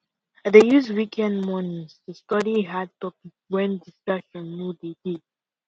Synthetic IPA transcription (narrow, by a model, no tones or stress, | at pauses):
dejuzwikʰɛ̃ndmɔ̃nstustɔɾiɦad̚tɔpikwɛ̃ndiskʌʃɔ̃nːudedid̚